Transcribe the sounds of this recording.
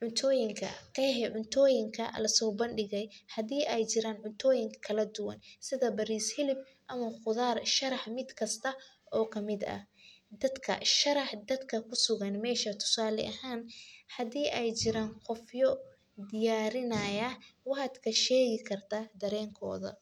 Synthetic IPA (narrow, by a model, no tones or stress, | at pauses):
ʕʊnt̪ʰɔːjɪŋkʰɐ̰kɛħɛʕʊnt̪ʰɔːjɪŋkʰɐ̰lɐsɔːbɐnɖɪɣɛjhɐðiːɛjt͡ʃɪɾaːnʕʊnt̪ʰɔːjɪŋkʰɐkʰɐlɐd̪ʊwɐ̰nsɪðɐbɐɾiːshɪlɪb̚ | ʔɐmɐχʊðaːrʃɐɾɑħmɪd̪kʰɐst̪ʰɐ | ʔɔːkʰɐmɪd̪ɐ̰hd̪ɐd̪kʰɐ̰ʃɐɾɑħd̪ɐd̪kʰɐkʰʊsʊɣɐnmɛːʃɐt̪ʰʊ̥saːlɛ̰ʔɐhaːnhɐðiːʔɛjt͡ʃɪɾaːnqɔfjɔ | d̪ɪjaːɾɪnɐjɐwɑħɑd̪kʰɐʃɛːɣɪkʰɐrt̪ʰɐd̪ɐɾɛːŋkʰɔ̰ːðɐ̰